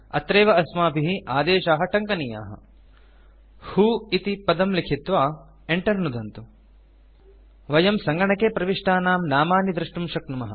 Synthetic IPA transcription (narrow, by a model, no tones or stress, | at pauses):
ɐ̰t̪ɾeːʋɐɐsmaːpiɦiʔaːd̪eːʃaːɦɐʈɐŋkɐnija̰ːɦɐ̰ | huːit̪ipɐd̪ɐmlikʰit̪ʋaː | eɳʈɐɾnud̪ɐnt̪u | ʋɐjɐmsɐŋɡɐɳɐkeːpɾɐʋiʂʈaːnaːmnaːmaːnjid̪ɾuʂʈumʃɐknumɐɦɐ̰̆